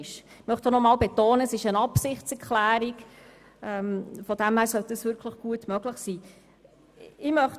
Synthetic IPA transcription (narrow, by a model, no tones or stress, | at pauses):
ʃ | mœχtonɔmɑːlbetoːnəsɪʃənɑpsɪχtt͡sɛɾkʰlæːɾɪɡ | ɛmfɔd̥ɛmhæːɾsœld̥əsvʏɾkʰləχɡ̥uətmœɡləχsiː | ɪmœχ